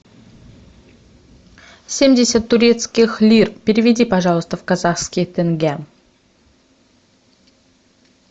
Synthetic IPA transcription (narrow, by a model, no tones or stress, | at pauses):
sʲe̞mdʲesʲət̪ːʊɾʲe̞t̪skʲixlʲirpʲeɾʲɪvʲed̪ʲipaʐɑlˠəst̪əvkazaχskʲit̪ʰɪŋɡʲæ